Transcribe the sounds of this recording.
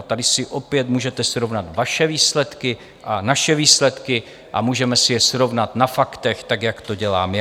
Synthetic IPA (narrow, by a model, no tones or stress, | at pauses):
t̪adɪsɪʔo̞pjɛt̪muːʒɛt̪ɛsɾo̞vnat̪vaʃɛviːslɛt̪kɪ | ʔanaʃɛviːslɛt̪kɪ | ʔamuːʒɛmɛsɪjɛsɾo̞vnat̪nafakt̪ɛxt̪aɡjakt̪o̞ɟɛlaːm